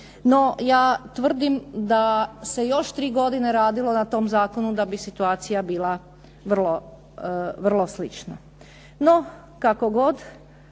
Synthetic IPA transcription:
no̞jaːt̪ʋr̩d̪imd̪ase̞jo̞ʃt̪ɾiːɡo̞d̪ine̞ɾaːd̪ilˠo̞nat̪o̞ːmzaːko̞nud̪abisit̪uaːt̪sijabiːlˠa | ʋr̩lˠo̞ | ʋrlˠo̞slit͡ʃna | no̞ | kakoɡo̞d̪

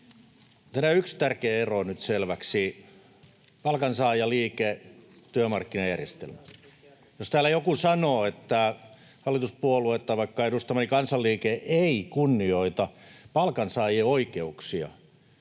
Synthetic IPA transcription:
t̪ænæykst̪ærkeːeronyt̪selʋæksi | pɑlkɑnsɑːjɑliːke | t̪yømɑrkːinɑjærjest̪ḛlmæ | jost̪æːlːˑæjokusɑnoːet̪ːæ | hɑlːˑit̪uspuoluet̪ːɑʋɑikːɑedust̪ɑmɑnikɑnsɑlliːkeʔeikunːioit̪ɑpɑlkɑnsɑːjeoikeuksiɑ̰

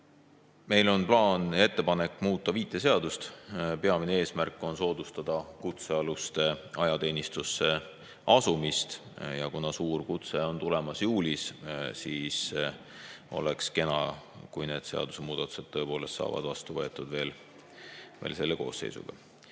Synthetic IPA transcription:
me̞jlo̞nplɑːne̞t̪ːe̞pɑne̞kːˑmuːt̪ˑːɑviːt̪ːˑe̞se̞ɑd̪ust̪pe̞ɑminee̞ːsmærkːˑo̞nso̞ːd̪̥ust̪ɑd̪̥ɑkut̪seɑlust̪e̞ɑjɑt̪e̞ːnist̪usːe̞ | ɑsumist̪ | jɑkunɑsuːrkut̪se̞o̞nt̪ule̞mɑsjuːlissiːs | o̞̰lekske̞nɑ̰kujne̞ːd̪̥se̞ɑ̰d̪̥use̞muːd̪ɑt̪ːˑu̥se̞dt̪̚t̪ːɤ̞ːpo̞ːle̞st̪sɑ̰ːvɑ̰d̪vɑst̪uvɤe̞t̪ːˑud̪̥ve̞ːl | veːlse̞lːe̞ko̞̰ːsːe̞̰jsṵɡ̥ɑ̰

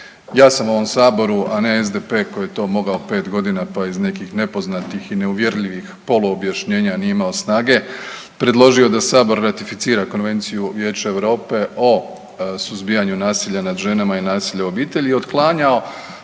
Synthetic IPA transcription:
jaːsamo̞ʋo̞msaːbo̞ɾuʔane̞ezd̪epe̞ːko̞jet̪o̞ːmo̞ɡaope̞ːt̪ɡo̞d̪inapaizne̞kixne̞po̞znat̪ixine̞uʋje̞ɾʎiʋixpo̞loːbjaʃɲe̞ːɲanijeimao̞snaːɡe̞ | pɾe̞d̪lˠo̞ʒio̞d̪asaːbo̞ɾːat̪ifit̪siːɾako̞nʋe̞nt̪sijuʋje̞ːt͡ʃaeʋɾo̞ːpe̞ʔo̞ | suzbijaɲunaːsiʎanad̪ʒe̞namainaːsiʎao̞biːt̪e̞ʎiio̞d̪klˠaːɲao̞

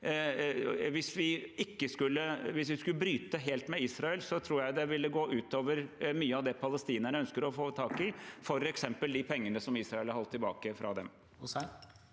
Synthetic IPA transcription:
ʋɪsʋɪɪkːəskʉlːəʋɪsʋɪskʉlːəbɾyːt̪əɦeːlt̪mɛiːsɾɑɛlsɔt̪ʰɾuːɾjæɪd̪ɛʋɪlːəɡoːʔʉːt̪oːʋəɾmyːəɑʋd̪ɛpʰɑləst̪iːnəɳəœnskəɾɔfoːt̪ʰɑːkɪfɔɾɛksɛmpəld̪ɪpʰɛŋːənəsɔmiːsɾɑɛlɑɾhɔlt̪ʰːɪlbɑːkəfɾʔɑ̰d̪ɛm

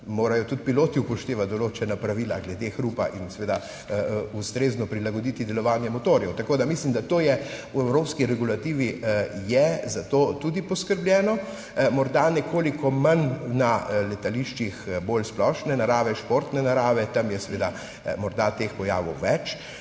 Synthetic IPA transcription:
moːɾajɔt̪ut̪piloːt̪iupɔʃt̪eːʋat̪̚d̪ɔloːt͡ʃɛnapɾaʋiːla̰ɡlɛd̪exɾupaʔinsɛʋeːd̪a | ust̪ɾeznɔpɾilaɡɔd̪it̪id̪ɛlɔʋaːnjɛmɔt̪oːɾjɛwt̪akoːd̪amislimd̪at̪oːjɛuɛwɾoːpskiɾɛɡulat̪iːʋijɛzat̪oːt̪ud̪ipɔskəɾblʲjɛːnɔ | mɔɾd̪anɛkʰoːlikɔmanːalɛt̪aliʃt͡ʃixbolsplɔʃnɛnaɾaːʋɛʃpoːɾt̪nɛnaɾaːʋɛt̪amjɛsɛʋeːd̪a | mɔɾd̪at̪expɔjaːʋɔ̰wʋɛt͡ʃ

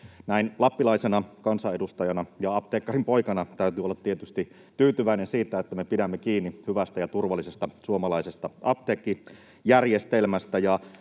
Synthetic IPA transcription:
næinlɑpːilɑisenɑkɑnsɑedust̪ɑjɑnɑjɑɑp̚t̪eːkːɑrimpo̞ikɑnɑt̪æyt̪yːolːɑt̪t̪iet̪yst̪i | t̪yːt̪yʋæinensiːt̪æet̪ːæmepidæmːekiːnːihyʋæst̪æjɑt̪urʋɑlːˑisest̪ɑsuomɑlɑisest̪ɑɑp̚t̪eːkːi | jærjest̪elmæst̪æjɑ

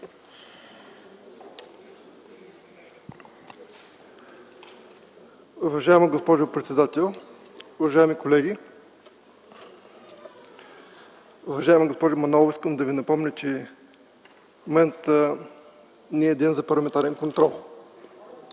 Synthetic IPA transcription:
uvɐʒaɛməɡospɔʒʊpɾɛt̪sɛd̪at̪ɛlˠ | ʊvɐʒaɛmikolɛɡʲi | uvɐʒaɛməɡospɔʒʊmɐnɔlˠiskəmd̪ɐvinɐpɔmnʲət͡ʃɛ | momɛnt̪ə | nɛɛd̪inzɐpɐɾlˠɐmɛnt̪aɾɛnkont̪ɾɔlˠ

